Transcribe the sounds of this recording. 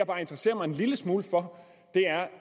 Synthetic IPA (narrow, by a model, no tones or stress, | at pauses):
ɑb̥ɑ̈ːe̝nd̥ʁɐse̝̰ːɐmɑ̈ɪe̝nliləsmuːləfɒ̽ | d̥e̝æɐ